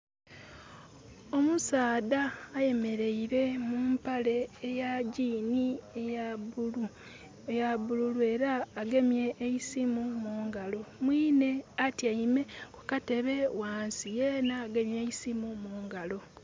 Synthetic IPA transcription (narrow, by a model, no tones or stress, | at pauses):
o̞musaːdaːje̞me̞ɾe̞iɾe̞muːmpale̞ːjaɟiːni | jaβululue̞ːɾaːɡe̞mje̞ʔːisimumuːŋɡalo̞mwiːne̞atjaime̞kukate̞βe̞waːnsijeːnaːɡe̞mjeisimumuːŋɡalo̞